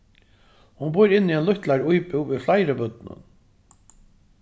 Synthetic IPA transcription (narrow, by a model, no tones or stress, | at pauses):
hʊnbʊjɾɪnːiɛnlʊht̪laɾujpɪwiflajɾəbʏt̪nʊ̰n